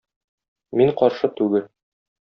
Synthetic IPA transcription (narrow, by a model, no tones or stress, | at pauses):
miɴqɒɾʃɤt̪ʉɡɘl